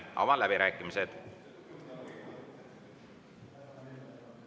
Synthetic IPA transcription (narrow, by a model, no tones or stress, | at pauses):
ɑ̰mɑlæbiɾæːkːˑimised̪̥